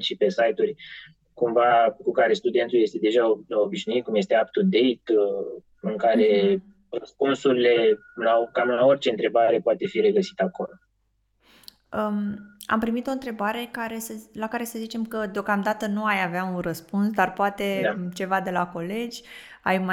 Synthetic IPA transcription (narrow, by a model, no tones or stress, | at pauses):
ʃipe̞sajt̪urʲ | kumvakukaɾe̞st̪ud̪e̞nt̪ulje̞st̪e̞d̪e̞ʒaləobiʃnuit̪̚kumjest̪e̞ap̚t̪ud̪e̞jt̪ | ɨŋkaɾe̞ | rəspunsuɾile̞ | lakamɨlao̞rt͡ʃe̞ɨnt̪ɾe̞baɾe̞poat̪e̞fiɾe̞ɡəsi̥t̪ako̞lo | əa̰mpɾimit̪o̞ɨnt̪ɾe̞baɾe̞kaɾe̞səlakaɾe̞səzit͡ʃe̞mkəd̪eo̞kamd̪at̪ənuajaveaunrəspunsd̪arpoat̪e̞t͡ʃe̞vad̪e̞lako̞le̞d͡ʒʲ | ajma